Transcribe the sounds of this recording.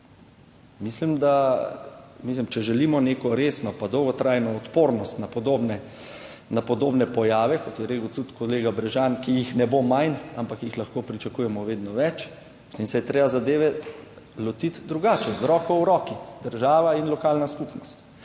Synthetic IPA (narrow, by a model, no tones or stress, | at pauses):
mislimd̪a | mislimt͡ʃɛʒɛliːmɔneːkɔɾeːsnɔpad̪ɔwɡɔt̪ɾajnɔːt̪poːɾnɔst̪napɔd̪oːbnɛ | napɔd̪oːbnɛpɔjaːʋɛkɔt̪jɛɾekəwt̪ut̪kɔleːɡabɾɛʒankijixnɛbomajnampakjixlaxkoːpɾit͡ʃakuːjɛmɔʋeːd̪nɔʋɛt͡ʃ | t̪emsɛjɛt̪ɾeːbazad̪eːʋɛ | lɔt̪it̪d̪ɾuɡaːt͡ʃɛzɾɔːkɔwɾɔːkid̪əɾʒaːʋainlɔkaːlnaskupnɔst̪